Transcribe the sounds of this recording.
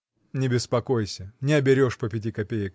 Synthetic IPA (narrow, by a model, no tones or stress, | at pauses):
nʲɪbʲɪspɐkojsʲənʲɪɐbʲɪɾʲoʂpəpʲɪt̬ʲikɐpʲejɪk